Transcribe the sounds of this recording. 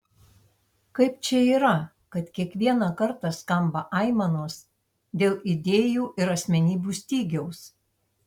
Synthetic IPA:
kɐɪpt͡ʃʲɛiːɾɐ | kɐt̪kʲiɛkʋʲiɛnɑkɐɾt̪ɑskɐmbɐʔɐɪmɐnoːs | d̪ʲeːlˠʔɪd̪ʲeːjuːʔɪɾɐsʲmʲɛnʲiːbʲuːsʲt̪ʲiːɡʲɛʊs

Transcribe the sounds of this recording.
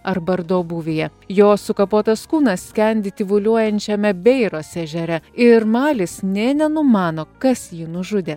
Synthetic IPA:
ɐɾbɐɾd̪oːbuːʋʲejɛjoːsʊkɐpoːt̪ɐskuːnɐssʲkʲɛnʲd̪ʲɪt̪ʲɪʋʊlʲuɔjɛnʲt͡ʃʲɛmʲɛbʲɛɪɾoːsʲɛʒʲɛɾʲɛɪɾmɑːlʲɪsnʲɛːnʲɛnʊmɑːnoːkɐsjiːnʊʒʊd̪ʲeː

